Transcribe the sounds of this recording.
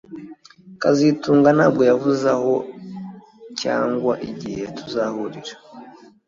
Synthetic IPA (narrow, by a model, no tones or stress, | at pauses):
kazituːŋɡanaːb̚ɡo̞javuzaho | ca̰ːŋɡwaʔiɟihe̞tu̥zahuɾiɾḁ